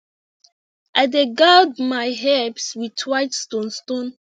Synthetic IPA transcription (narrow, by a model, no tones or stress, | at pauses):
ʔajdeɡadmajɦɛbswitʰwajtstɔ̃nstõn